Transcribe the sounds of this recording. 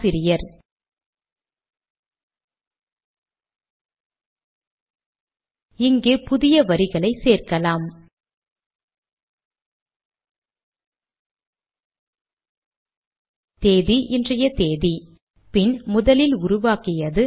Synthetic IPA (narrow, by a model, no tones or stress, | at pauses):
sɪɾɪjɐɾ | ɪŋɡeːpʊðɪjɐʋɐɾɪɣɐɭɐɪseːrkɐlaːm | t̪eːðiʔɪndrɐjɐt̪eːði | pɪnmʊðɐlɪlʊɾʊʋaːkɪjɐðɯ